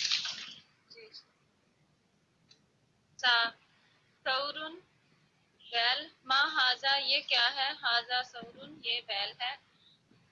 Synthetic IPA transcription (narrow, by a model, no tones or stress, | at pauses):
d͡ʒiː | saː | sɐɾʊn | bɛːlmãːɦaːzajeːkjaːɦɛːɦaːzasɐʊɾunjeːbɛːlɦɛː